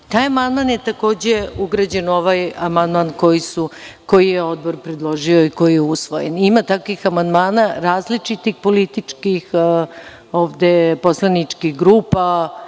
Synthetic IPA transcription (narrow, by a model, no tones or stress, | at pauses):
t̪aːjamand̪manjet̪ako̞ːd͡ʑeuɡɾad͡ʑeno̞ʋajamand̪manko̞jisuko̞jijeo̞d̪̚boɾpɾed̪lˠo̞ʒioiko̞jijeusʋo̰jenimat̪akʋixamand̪maːnaɾaːzlit͡ʂit̪ixpolit̪it͡ʂkix | oːʋd̪eposlˠanit͡ʂkixɡɾuːpa